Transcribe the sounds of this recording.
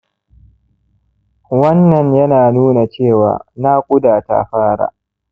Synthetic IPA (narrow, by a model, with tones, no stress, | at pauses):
wɐ˦nːɐ˨ɲjɐ˦naː˨nuː˦na˨t͡ʃeː˦˨wa̰ː˨na˦kʷʼʊ˦daː˨ta̰˦ɸaː˦ɾa̰ː˨